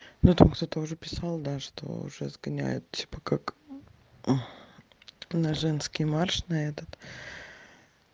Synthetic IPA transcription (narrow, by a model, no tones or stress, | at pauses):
nut̪amkt̪o̞t̪əʊʐɛpʲɪsɑlˠd̪aʂt̪o̰ʊ̰ʐɛzɡɐnʲæ̰jʊ̰t̪̚tʲi̥pə̥kak | nɐʐɛnskʲɪjmarʂnɐɛt̪ət̪